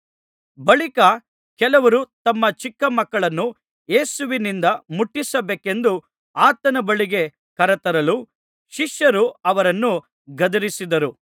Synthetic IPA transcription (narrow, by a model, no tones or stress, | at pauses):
bɐɭikɐ | kɛlɐʋɐɾut̪ɐmːɐt͡ʃikːɐmɐkːɐɭɐnːu | je̞ːsuʋinind̪ɐmuʈːisɐbeːke̞nd̪u | aːt̪ɐnɐbɐɭiɡe̞ | kɐɾɐt̪ɐɾɐlu | ʃiʃjɐɾuɐʋɐɾɐnːu | ɡɐd̪ɐɾisid̪ɐɾu